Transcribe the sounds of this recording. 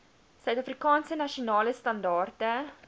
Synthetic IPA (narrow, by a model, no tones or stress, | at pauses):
sœɥtɐfrikɑːnsənɐʃionɑːləstɐndɑːrtə